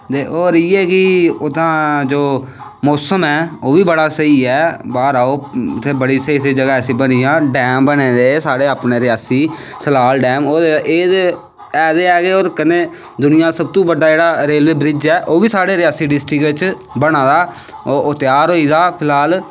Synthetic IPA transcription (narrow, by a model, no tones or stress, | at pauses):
t̪eːʔoːɾiːɛːkɪʊd̪ãːd͡ʒoː | mɔːsəmɛːoːʋiːbəɽaːsəiːɛːbaːɾaːoːt̪ʰːeːbəɽiːsəiːseːd͡ʒəɡaːsĩːbəniːjãːɖɛːmbənẽːd̪eːsaːɽeːaːpneːɾɪjaːsiːsəlaːlɖɛːmoːeʔeːd̪ | ɛːd̪eːɛːɡeːoːɾkəneːd̪ʊnɪjãːsəb̚t̪ũːbəɖːaːd͡ʒeːɽaːɾeːlʋeːbɾɪd͡ʒɛːʔoːʋiːsaːɽeːɾɪjaːsiːɖɪsʈɾɪkt͡ʃ | bəɽ̃ãːd̪aː | oʔot̪ɪjaːɾɦoːiːd̪aːpʰɪlaːl